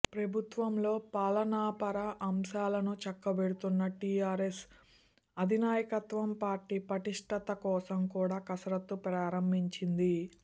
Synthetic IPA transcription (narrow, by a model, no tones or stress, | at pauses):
pɾɐbʱut̪ʋɐmlo̞ːpaːlɐnaːpɐɾɐʔɐmʃaːlɐnut͡ʃɐkːɐʋeɽut̪unːɐʈiːaːɾes | ɐd̪ʱinaːjɐkɐt̪ʋɐmpaːɾʈːiːpɐʈiʂʈɐt̪ɐkɔːsɐmkuːɽaːkɐsɾɐt̪ːupɾaːɾɐmbʱiɲt͡ʃind̪i